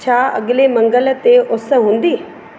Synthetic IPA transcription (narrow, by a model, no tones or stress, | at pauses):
t͡ʃʰaə̰ɡlemə̃ŋɡəlt̪eʔʊsɦʊ̃nd̪iː